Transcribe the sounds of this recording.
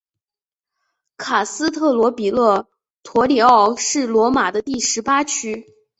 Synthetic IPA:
kʰa˨˩sɹ̩˥t̪ʰɤ˥˩lwɔ˧˥pi˨˩lɤ˥˩ | t̪ʰwɔ˧˥li˧˥ɑ˥˩ʊʂɻ̩˥˩lwɔ˧˥ma˨˩d̪ə˦t̪i˥˩ʂɻ̩˧˥pa˥t͡ɕʰy˥

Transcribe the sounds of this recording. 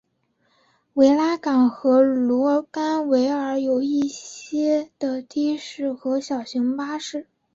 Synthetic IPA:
we˧˥ɪla˥kɑ˨˩ŋxɤ˧˥lwɔ˧˥ka˥nwe˧˥ɪə˞˧˥jo˨˩ʊi˥˩ɕjɛ˥d̪̥ə˨t̪ʰi˥ʂɻ̩˥˩xɤ˧˥ɕjɑ˨˩ʊɕi˧˥ŋpa˥ʂɻ̩˥˩

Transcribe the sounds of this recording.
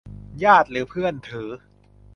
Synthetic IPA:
jaː˥˩t̪̚ɾɯː˩˦pʰɯ˥˩ənt̪ʰɯː˩˦

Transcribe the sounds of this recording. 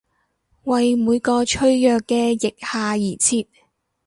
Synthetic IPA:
wɐ˨jmuː˨˧jkɔː˧t͡ʃʰɵ˧˥ɥjœː˨kːɛː˧jɪ˨k̚haː˨˧jiː˨˩t͡sʰiː˧p̚

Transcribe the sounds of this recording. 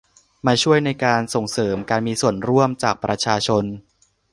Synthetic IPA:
maː˧t͡ɕʰu˥˩əjna˧jkaː˧nso˨˩ŋsɤː˩˦mkaː˧nmiː˧su˨˩ənɾu˥˩əmt͡ɕaː˨˩k̚pɾa˧t͡ɕʰaː˧t͡ɕʰo˧n

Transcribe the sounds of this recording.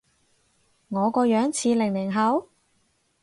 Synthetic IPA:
ŋɔː˨˧kɔː˧jœː˨˥ŋt͡sʰiː˨˧lɪ˨˩ŋlɪ˨˩ŋɦɐ˨˥w

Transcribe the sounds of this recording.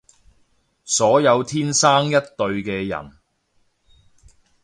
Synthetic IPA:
sɔː˨˥jɐ˨˧wt̪ʰiː˥nsaː˥ŋjɐ˥t̚t̪ɵ˧ɥkɛː˧jɐ̰˨˩n

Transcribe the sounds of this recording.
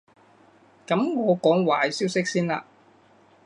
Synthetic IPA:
kɐ˨˥mŋɔː˨˧kɔː˨˥ŋwa̰ː˨˩jsiː˥wsɪ˥k̚siː˥nla̰ː˧

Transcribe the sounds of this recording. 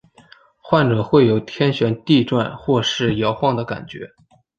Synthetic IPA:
xwa˥˩nʈ͡ʂɤ˨˩xwe˥˩ɪjo˨˩ʊt̪ʰjɛ˥nɕɥɛ˧˥nt̪i˥˧ʈ͡ʂwa̰˥˧nxwɔ˥˧ʂɻ̩˥˩jɑ˧˥ʊxwɑ˥˩ŋd̪ə˩ka̰˨˩nt͡ɕɥɛ̰˧˥

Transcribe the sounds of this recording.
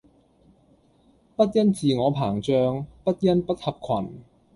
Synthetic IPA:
pɐ˥t̚jɐ˥nt͡siː˨ŋɔː˨˧pʰaː˨˩ŋt͡sœː˧ŋpɐ˥t̚jɐ˥npɐ˥t̚hɐ˨p̚kʰwɐ˨˩n

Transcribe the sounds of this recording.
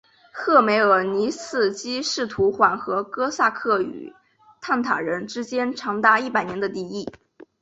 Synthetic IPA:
xɤ˥˩me˧˥ɪə˞˨˩ni˧˥sɹ̩˥˩t͡ɕi˥ʂɻ̩˥˩t̪ʰu˧˥xwa˨˩nxɤ˧˥kɤ˥sa˥˧kʰɤ˥˩y̰˨˩ | t̪ʰa˥˩nt̪ʰa̰˨˩ɻə˧˥nʈ͡ʂɻ̩˥t͡ɕjɛ˥nʈ͡ʂʰɑ˧˥ŋt̪a˥˧i˥˩pa˨˩ɪnjɛ˧˥nd̪ə˧t̪i˥˧i˥˩

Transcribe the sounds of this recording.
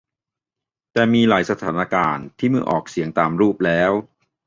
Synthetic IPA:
t̪ɛː˨˩miː˧laː˩˦jsa˧t̪ʰaː˩˦na˧kaː˧nt̪ʰiː˥˩mɯ˧˥əʔɔː˨˩k̚si˨˩˦əŋt̪aː˨˩mɾuː˥˩p̚lɛː˦˥w

